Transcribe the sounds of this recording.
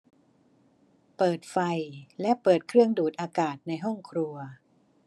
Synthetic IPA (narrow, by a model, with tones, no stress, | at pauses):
pɤː˨˩t̪̚fa˧jlɛ˦˥ʔpɤː˨˩t̪̚kʰɾɯ˥˩əŋduː˨˩t̪̚ʔaː˧kaː˨˩t̪̚na˧jɦɔ˥˩ŋkʰɾu˧ɐ